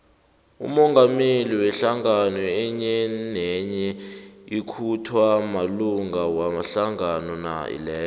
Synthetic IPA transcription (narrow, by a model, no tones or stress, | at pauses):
ṵmɔŋɡʱameliwɛɬaŋanɔɛɲɛnɛɲɛikʰutʰwamaluŋɡawamaɬaŋanɔna̰ḭlɛːl